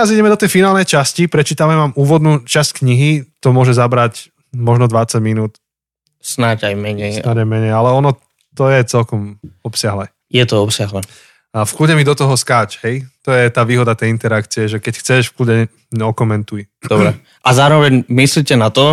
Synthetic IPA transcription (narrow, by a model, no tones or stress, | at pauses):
t̪ɛɾaziɟɛmɛd̪ɔt̪ɛjfinaːlnɛjt͡ʃascipɾɛt͡ʃit̪amɛmamuːʋɔd̪nuːt͡ʃasckɲiɦit̪ɔmʊɔʒɛzabɾac | mɔʒnɔd̪ʋat͡saɟminuːt̪ | snaɟajmɛɲɛj̪aɟajmɛɲɛjalɛɔnɔ | t̪ɔjɛt͡sɛlkɔmɔpsɪaɦlɛː | jɛt̪ɔɔpsɪaɦlɛ | fkluɟɛmid̪ɔt̪ɔɦɔskaːt͡ʃhɛjt̪ɔjɛt̪aːʋiːɦɔd̪at̪ɛjint̪ɛɾakt͡siɛʒɛkɛcxt͡sɛʃfkluɟɛ | ɲɛɔkɔmɛnt̪ujdd̪ɔbɾɛ | ʔazaːɾɔʋɛɲmislicɛnat̪ɔ